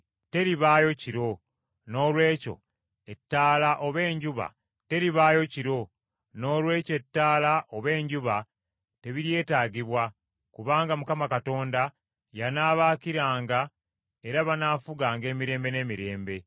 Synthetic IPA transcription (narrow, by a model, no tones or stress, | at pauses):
te̞ɾiβaːjo̞ciɾo̞ | no̞ːlwe̞ːco̞̰ | e̞tːaːlaʔo̞βe̞ːɲɟuβa̰ | te̞ɾiβaːjo̞ciɾo̞ | no̞ːlwe̞ːcoe̞tːaːlaʔoβe̞ːɲɟuβa | te̞βiɾje̞ːtaːɡiβwa | kuβaːŋɡamukamakato̞ːnda | janaːβaːkiɾaːŋɡa | e̞ɾaβanaːfuɡaːŋɡe̞ːmiɾe̞ːmbe̞ne̞ːmiɾe̞ːmbe̞